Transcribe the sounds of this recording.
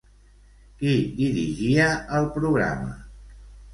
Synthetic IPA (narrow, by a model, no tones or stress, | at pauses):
kid̪iɾiʒiəəlˠpɾuɣɾa̰mə̰